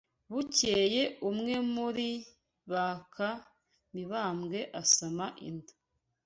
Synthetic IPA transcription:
βuce̞ːje̞umŋe̞muɾi | βakʰa | miβaːmɡe̞ʔasamaʔḭndḁ

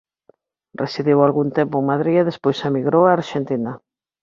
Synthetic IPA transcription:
resiðiwalɣunt̪empʊeŋmaðɾieðespojsamiɣɾowaːɾʃent̪ina

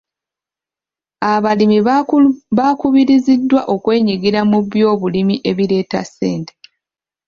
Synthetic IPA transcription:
aβalimi | βakuβiɾizidːwaʔo̞kwe̞ːɲiɡiɾamuβjo̞ːβulimiʔe̞βiɾe̞ːta̰seːnte̥

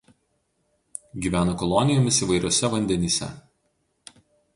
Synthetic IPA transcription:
ɡʲiːʋʲæːnɐkɔlˠɔnʲɪjɔmʲɪsiːˑʋɐɪɾʲoːsʲɛʋɐnʲd̪ʲɛnʲiːsʲɛ̰

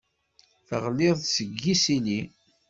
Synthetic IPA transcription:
θəʁlɪðˤsəɡːisili

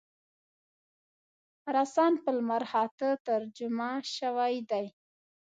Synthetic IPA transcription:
ɾasɑnpəlmaɾhɑt̪ət̪aɾd͡ʒʊmaʃawajd̪aj

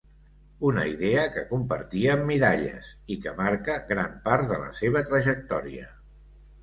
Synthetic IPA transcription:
unə̰iðeəkəkumpəɾt̪iəːmːiɾaʎə̰sikəmaɾkəɣɾampaɾt̪ðələ̰seβ̞ət̪ɾəʒək̚t̪ɔɾiə̰

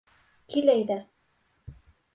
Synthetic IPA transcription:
kilæjðæ

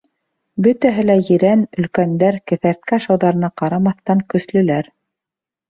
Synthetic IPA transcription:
bɵt̪æɦɘlæjɘ̆ɾænɵ̆lkænd̪æɾkɘ̆θæɾt̪̚kæʃɑwðɑɾɤ̆nɑqɑɾɑmɑθt̪ɑŋkɵ̆slɵ̆læɾ

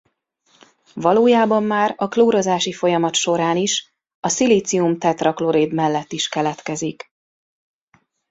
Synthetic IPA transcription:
vɒloːjaːbɒmːaːɾɒkloːɾozaːʃifo̞jɒmɒt̪ʃo̞ɾaːniʃ | ɒsiliːt̪siumt̪ɛt̪rɒklo̞ɾeːd̪mɛlːɛt̪ːiʃkɛlɛt̪kɛzik

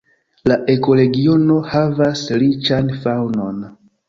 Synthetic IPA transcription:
laʔe̞ko̞le̞ɡio̞no̞havaslit͡ʃanfawno̞̰n

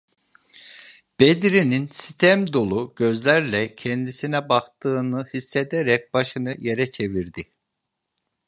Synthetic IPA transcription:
b̥ed̪ɾininsi̥t̪ʰɛmd̪o̞lˠuɟ̥ø̞zlʲæɾlʲɛcʰɛnd̪isinɛbakt̪ɯːnɯhisːe̞d̪eɾɛc̚baʃɯnɯje̞ɾɛt͡ʃʰe̞viɾd̪i

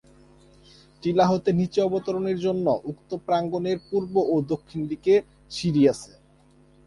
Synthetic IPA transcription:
ʈilaɦot̪enit͡ɕeɔbot̪oɾoneɾd͡ʑonːoʔukt̪opɾaŋɡoneɾpuɾboʔod̪okʰːind̪ike | ʃiɾiasʰe

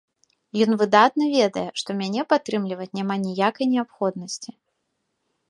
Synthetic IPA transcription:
jɔnvɨd̪at̪nɐvʲɛd̪ɐjɛʂt̪ɔmʲanʲɛpat̪ːɾɨmlʲivɐt͡sʲnʲamanʲijakɐjnʲɛapxɔd̪nɐsʲt͡sʲi

